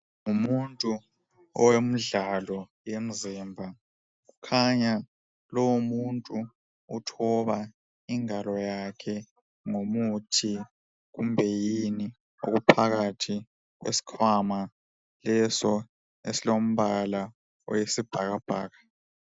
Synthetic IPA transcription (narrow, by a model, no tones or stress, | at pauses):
ŋumuntʼu | ɔ̰wem̩ɮalɔ | jem̩zimbʱa | ɣukʰaɲa | lɔwumuntʼu | utʰɔβa | iŋalɔjakʰɛ | ŋomutʰi | ɣumbʱɛjini | o̰ɣupʰaɣatʰi | ɣ̬wḛsi̥kʰwama | lɛsɔ | esilom̩βala | ɔ̰jesib̥ʱaɣab̥ʱa̰ːɣa